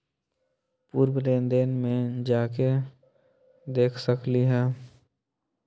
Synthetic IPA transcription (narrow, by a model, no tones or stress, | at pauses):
puːɾbəɾeːnd̪eːnmẽd͡ʒaːke | d̪eːkʰsəkliɦɛ̃ː